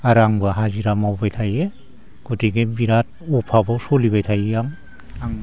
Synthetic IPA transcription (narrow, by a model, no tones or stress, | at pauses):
aɾaŋbaɦaziɾamawbajtʰaje | kuteɡebiɾat̚ | ɔpʰabawsɔlibajtʰajjaŋ | aŋ